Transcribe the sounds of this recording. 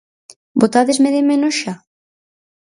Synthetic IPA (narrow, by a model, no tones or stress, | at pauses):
bot̪aðezmeðemenoʃa